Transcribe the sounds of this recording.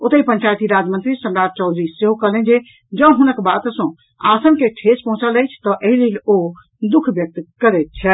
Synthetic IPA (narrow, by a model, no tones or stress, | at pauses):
ot̪əipəɲt͡ʃajt̪iɾad͡ʒmənt̪ɾisəmɾad͡ʒ̚t͡ʃɔʊd̪ʱɾisseɦokəɦlɛnd͡ʒe | d͡ʒə̃ɦunəkbat̪sə̃ | a̰sənkeʈʰet͡ʃpəɦũt͡ʃələjt͡ʃʰt̪ɔʔeɦilelo | d̪ukʰbjək̚t̪kəɾɛt̪̚t͡ʃʰɛ